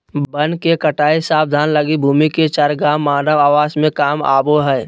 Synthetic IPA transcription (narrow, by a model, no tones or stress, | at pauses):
bənkekəʈaːisaːb̚d̪ʱaːnləɡibʱuːmiket͡ʃaɾɡaːmːaːnəʋaːʋaːsmẽkaːma̰ːboɦɛː